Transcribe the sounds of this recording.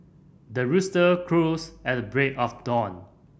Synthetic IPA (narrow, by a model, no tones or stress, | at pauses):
dəɹustəkʰɹusɛt̚əbɹekɔfdɔ̃n